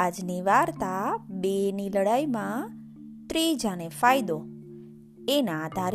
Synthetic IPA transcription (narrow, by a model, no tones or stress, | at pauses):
ad͡ʒniʋaɾt̪abeniləɽaimã | t̪ɾid͡ʒanefajd̪o | enãːd̪ʱaɾ